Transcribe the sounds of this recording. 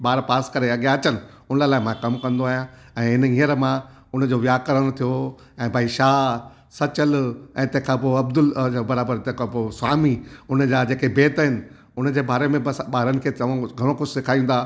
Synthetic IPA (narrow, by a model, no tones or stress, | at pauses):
ɓaːɾpaːskɐɾeɐɡjaɐt͡ɕənɪ̆ | ʊnələlaːɪmãkɐmkɐ̃nd̪oaːɦjã | ɛ̃ːɦɪnɦĩːəɾmã | ʊnd͡ʑoʋijaːkəɾəɽ̃t̪ʰijo | ɛ̃ːbʱaːiʃaː | sɐt͡ɕəlɛ̃ːt̪ɐ̃ɦɪ̃kʰãpoːɐbd̪ʊlbɐɾaːbəɾt̪ɐ̃ɦkʰãpoːswaːmiʊnəd͡ʑaːd͡ʑeːkebeːt̪ɦɪnɪ̆ | ʊnə̆d͡ʑeːbaːɾemẽbɐsɓaːɾənɪ̆kʰeːt̪ɐʋãɡʱɐɽ̃õkʊd͡ʑʱsɪkʰaːiũn̆d̪aː